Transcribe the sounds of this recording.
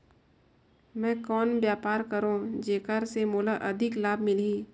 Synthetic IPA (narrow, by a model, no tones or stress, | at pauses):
mɛ̃ːkɔːnbjaːpaːɾkəɾõːd͡ʒeːkaɾsemoːlaʔɐd̪ʱɪklaːbʱmɪliː